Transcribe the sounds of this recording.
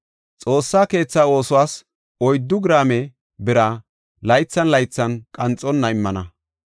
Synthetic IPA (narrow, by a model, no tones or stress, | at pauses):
t͡sʼo̞ːsːaːke̞ːt͡sːaːo̞ːsʊwaːs | ɔjd̪ːʊɡɾaːmɛ | bɪɾa | lɐjt͡sːɐnlɐjt͡sːɐnkʼɐnt͡sʼːɔnːɐɪmːɐnɐ